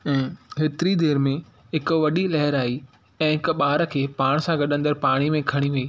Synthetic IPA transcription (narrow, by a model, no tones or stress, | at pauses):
ɛ̃ːɦɪt̪ɪɾid̪eːɾmẽ | ɦɪk̆ʋɐɗilɐɦɪɾaːi | ɛ̃ːɦɪkɓaːɾə̆kʰeːpaːɽ̃sãɡɐɗə̃nd̪əɾpaːɽ̃imẽkʰɐɽ̃iɦiː